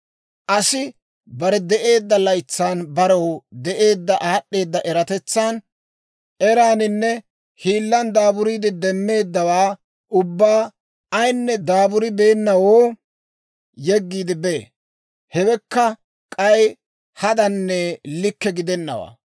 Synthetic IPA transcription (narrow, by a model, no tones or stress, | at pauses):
ʔɐsɪ | bɐɾɛd̪ɛʔe̞ːd̪ːɐlɐjt͡sːaːnbɐɾɐwd̪ɛʔe̞ːd̪ːɐʔaːɗːe̞ːd̪ːɐʔɛɾɐt̪ɛt͡sːaːn | ɛɾaːnɪnːɛ | hiːlːɐnd̪aːbʊɾiːd̪ɪd̪ɛmːe̞ːd̪ːɐwaː | ʊbːaː | ɐjnːɛd̪aːbʊɾɪbe̞ːnːɐwoː | jɛɡːiːd̪ɪbḛ | hɛwɛkːɐ | kʼɐj | hɐd̪ɐnːɛlɪkːɛɡɪd̪ɛnːɐ̰wa̰ː